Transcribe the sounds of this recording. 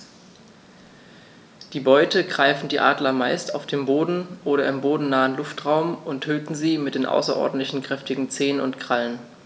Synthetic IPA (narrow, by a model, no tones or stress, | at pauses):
d̥iːbɔʏtəɡʁaɪfn̩diːʔaːdlɐmaɪstaʊfd̥eːmboːdn̩ʔoːɾɐɪmboːdn̩naːənlʊftʁ̥aʊmʔʊntʰøːtn̩ziːmɪt̚d̥eːnʔa̰ʊsɐ̰ʔɔ̰ɐdn̩tlɪçn̩kʁ̥ɛftɪɡŋ̩t͡seːənʊntkʁ̥alən